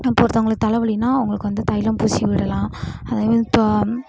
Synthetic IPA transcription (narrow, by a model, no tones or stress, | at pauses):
ɪpːoːʋɾt̪ɐʊŋɡɐɭɯːɯt̪ɐlɐʋɭɪnːaːʊŋɡɐɭɯkːɯʋɐnd̪ɯt̪ɐjɪlɐmpuːsiʋɪɽɐlãːɐðaːðt̪